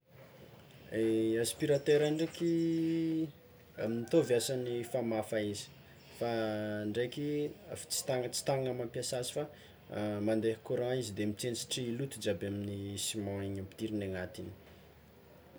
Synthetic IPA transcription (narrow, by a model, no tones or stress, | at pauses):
easpiɾat̪eɾaɳɖ͡ʐeki | amnit̪ovjasanifamafaizi̥ | faːɳɖ͡ʐekia̰fḁt͡si̥t̪aŋət͡si̥t̪aŋamampjasasi̥fa | mand̪eɦkoɾãizid̪emit͡sent͡si̥ʈ͡ʂiːlut̪ud͡ʒabaminisimãiɲampi̥t̪iɾinaŋat̪ini̥